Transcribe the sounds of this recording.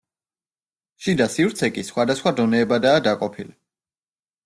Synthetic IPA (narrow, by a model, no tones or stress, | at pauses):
ʃid̪asivɾt̪sʰɛkʼisχwad̪asχwad̪ɔnɛːbad̪aːd̪akʼɔpʰili